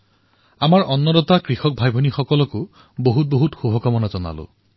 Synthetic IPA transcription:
amaɹɔnːɔdɔtakɹixɔk̚bʱajbʱɔnixɔkɔlɔkʊ | boɦut̚boɦutxubʱɔkamɔnazɔna̰lʊ̰

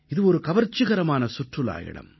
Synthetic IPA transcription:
ɪðɯɔɾɯkɐʋɐɾt͡ʃːɯɣɐɾɐmaːnɐsʊʈrɯla̰ːjɪ̰ɽɐ̰m

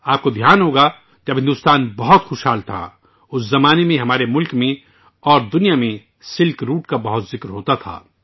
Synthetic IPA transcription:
aːp̚kod̪ʱjaːnɦoːɡa | kɐbɦɪ̃nd̪ʊːst̪aːnbɐɦʊt̪xʊːʃɦaːlt̪ʰa̰ | ʊszɐmaːnemẽɦɐmaːɾemʊlkmẽ | ɔːɾd̪ʊnijamẽ | sɪlkɾuːʈkabɐɦʊt̪zɪkɾɦoːt̪at̪ʰa̰ː

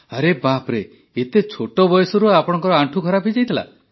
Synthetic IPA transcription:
aɾebapɾe | et̪et͡ʃʰoʈɔbɔjɔsɔɾuapɔɽ̃ɔ̃ŋkɔɾɔaɳʈʰukʰɔɾapʰid͡ʒajt̪ʰila̰

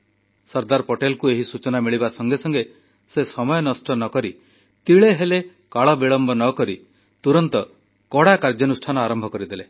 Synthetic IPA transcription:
sɔɾd̪aɾpoʈelkueɦisut͡ʃɔnamiɭibasɔŋɡesɔŋɡe | sesɔmɔjɔnɔsʈɔnɔkɔɾi | t̪iɭeɦele | kaɭɔbiɭɔmbʱɔnɔkɔɾi | t̪uɾɔnt̪ɔ | kɔɽakaɾd͡ʒɔnusʈʰanɔaɾɔmbʱɔkɔɾid̪ele

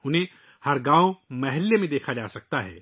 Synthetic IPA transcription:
ʊnɦẽ | hɐɾɡãːomɐɦɪlːemẽd̪eːkʰad͡ʒaːsɐk̚t̪aɦɛ̰ː

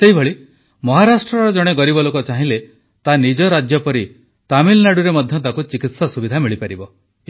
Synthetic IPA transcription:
seɦibʱeɭi | mɔɦaɾasʈɾɔɾɔd͡ʒɔɽ̃eɡɔɾibɔlokɔt͡ʃaɦĩle | t̪anid͡ʒɔɾad͡ʒjɔpɔɾi | t̪amilnaɽuɾemɔd̪ʱjɔt̪akut͡ʃikit̪sasubid̪ʱamiɭipaɾibɔ

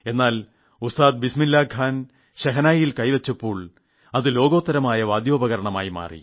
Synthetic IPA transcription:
e̞nːaːl | ust̪aːd̪̚bisminlːaːɡʱaːn | ɕɐɦɐnaːjjilkɐjʋet͡ɕːɐpːo̞ːɭ | ɐðɨlo̞ːɡo̞ːt̪ːɐɾɐmaːjɐʋaːd̪jo̞ːbɐɣɐɾɐɳɐmaːjima̰ːrḭ

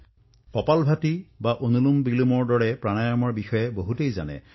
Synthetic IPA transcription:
kɔpalbʱatibaʔonulumbilumɔɹdɔɹɛpɹanajamɔɹbixɔjɛboɦutejza̰nɛ̰

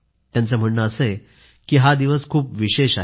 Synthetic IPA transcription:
t̪jant͡səm̤əɳːəːse | kiːɦad̪iʋəskʰuːpʋiɕeɕa

